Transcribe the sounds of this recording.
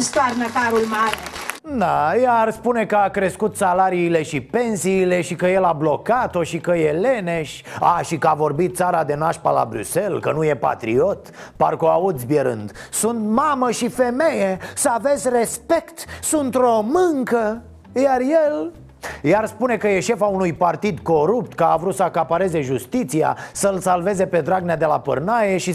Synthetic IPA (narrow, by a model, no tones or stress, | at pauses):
st̪oarnək̪aɾulmaɾed̪ajarspune̞kəakɾe̞skut̪salaɾiːle̞ʃipe̞nsiːle̞ʃikəje̞lablo̞kat̪o̞ʃikəjele̞ne̞ʃʲa̰ʃikəavo̞rbit̪̚saɾad̪e̞naʃpa̰la̰bɾy̰se̞lkənuje̞pa̰t̪ɾḭo̞t̪ | parkoaud̪zʲbjeɾɨ̰nd̪sunt̪maməʃife̞me̞jesəave̞zʲrespe̞kt̪sunt̪omɨŋkə | jarjel | jarspune̞kəje̞ʃe̞faunujpart̪id̪ko̞ɾupt̪kəavɾut̪səakapaɾe̞ze̞ʒust̪it̪sia̰səlsalve̞ze̞pe̞d̪ɾaɡ̚nead̪e̞lapə̰rnaje̞ʃi